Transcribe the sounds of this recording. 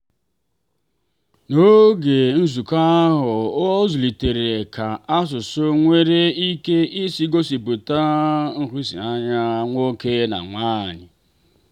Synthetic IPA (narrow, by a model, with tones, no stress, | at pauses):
no˦ɡe˨n̩˦zu˨ka˦ɦʊ˨˦zu˨li˨te˨ɾe˨e˨kʰa˨a˦s̬ʊ˨so˦ŋʷe˦ɾe˦i˦ke˦i˦si˦ɡo˦si˨pu˨ta˦ŋ̩˨ɾi˦sḭ˨a˦ɲa˦ŋʷo˦ke˦na̰˨ŋʷaː˦˨ɲɪ̰˨